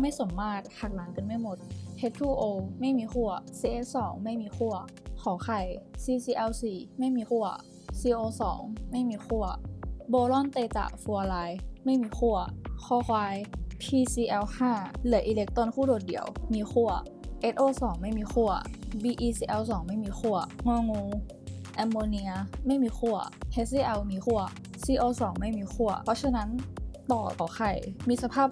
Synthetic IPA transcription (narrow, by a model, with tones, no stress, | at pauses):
ma˥˩jso˩˦mːaː˥˩t̪̚hʰaː˧˩k̚laː˨˦ŋka˧˨nma˥˩jmo˧˦t̪̚hʰe˧˦t̪ʰuː˧˩ʔoː˧ma˥˩jmiː˧xʰu˥˩ɐsiː˧ʔe˦˧˥t̪̚sɔː˩˦ŋma˥˩jmiː˧xʰu˥˩ɐ | kʰɔː˨˩˦xʰa˧˩jsiː˧siː˧ʔɛ˧wsiː˨˩ma˥˩jmiː˧xu˥˩ɐ | siː˧ʔoː˧sɔ̰ː˩˦ŋma˥˩jmiː˧xʰu˥˩ɐbɔː˧lɔː˥˩˨nt̪eː˧t͡ɕa̰˧˩fu˧ɐ˧laː˧jma˥˩jmiː˧xʰu˥˩ɐkʰɔː˧˩xʰwaː˧jpʰiː˧siː˧ʔɛ˧whaː˥˩lɯ˩˦ɐʔiː˧le˦˥k̚t̪o˧˥˨nkʰuː˥˩doː˨˩t̪̚dḭ˨˩˦ə˦wmiː˧xʰu˥˩ɐ | ʔe˦˥t̪̚ʔoː˧sɔː˩˦ŋma˥˩jmiː˧xʰu˥˩ɐbiː˧ʔiː˧siː˧ʔɛ˧wsɔː˩˦ŋma˥˩jmiː˧xu˥˩ɐŋɔ˧ŋuː˧ | ʔɛ˧mːoː˧ni˧ɐma˥˩jmiː˧xʰu˥˩ɐʔe˦˥iː˧ʔɛ˧wmiː˧xu˥˩ɐ | siː˧ʔoː˧sɔː˨˩˦ŋma˥˩˨jmiː˧xʰu˥˩ɐpʰɔ˧˥ɕʰa˧na˦˥nt̪ɔː˨˩t̪ɔː˨˩xʰa˧˩jmiː˧sa˧pʰaː˥˩p̚